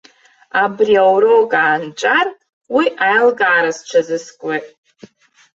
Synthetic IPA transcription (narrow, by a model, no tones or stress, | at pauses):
abriawɾokʼaːnt͡ʃʼar | wiʔajlɡaːɾast͡ʃʷʰazɨskʷʼwetʼ